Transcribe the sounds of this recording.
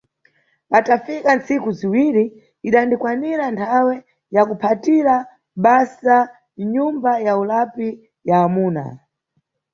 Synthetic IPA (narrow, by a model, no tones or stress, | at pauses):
patafikant͡sikuziwiɾi | iɗandikwaniɾantʰawɛ | jakupʰatiɾa | ɓasa | ɲumbajaulapi | jaːmuːna̰